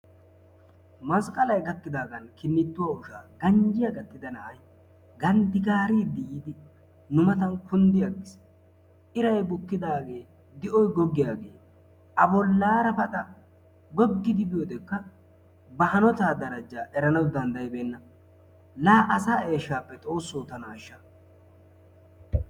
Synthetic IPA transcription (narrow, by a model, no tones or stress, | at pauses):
mɐskʼɐlɐjɡɐkːɪd̪aːɡɐnkɪnːɪt̪ːʊwaːʊʃaːɡɐɲd͡ʒɪjɐɡɐt̪ːɪd̪ɐnɐʔɐj | ɡɐnd̪ɪkaːɾiːd̪ɪʔiːd̪ɪ | nʊmɐt̪ɐnkʊnd̪ɪjaɡɪs | ʔɪɾɐjbʊkːɪd̪aːɡe̞ː | d̪ɪʔɔjɡɔɡːɪjaːɡe̞̰ː | ʔɐbɔlːaːɾɐbɐt̪ɐ | ɡɔɡːɪd̪ɪbɪjod̪ɛkːɐ | bɐhɐnɔt̪aːd̪ɐɾɐd͡ʒaːʔɛɾɐnɐwd̪ɐnd̪ɐjbeːnːɐ | laːʔɐsaːe̞ːʃːaːpːɛt̪ʼo̞ːsːoːt̪ɐnaːʃːɐ